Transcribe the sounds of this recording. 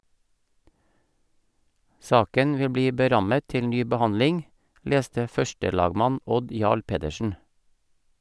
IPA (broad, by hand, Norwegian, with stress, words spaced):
ˈsɑːkən ˈʋɪl ˈbliː bəˈɾɑmə ˈtɪl ˈnyː bəˈhɑnlɪŋ ˈleːstə ˈfœʃtəˌlɑːɡmɑn ˈɔd ˈjɑːɭ ˈpeːdəʃn̩